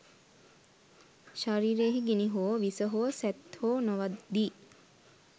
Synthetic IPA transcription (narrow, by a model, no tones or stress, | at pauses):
ʃaɾiːɾeːɦiɡiniɦoːʋisəɦoəsæt̪hoːnoʋad̪d̪iː